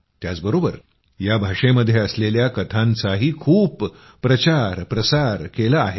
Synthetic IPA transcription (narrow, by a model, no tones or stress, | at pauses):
t̪jat͡sbəɾobəɾ | jabʱaʂeməd̪ʱːjeəsleljakət̪ʰãnt͡saɦiːkʰuːpː | ɾət͡ɕaɾpɾəsaɾkelaːɦe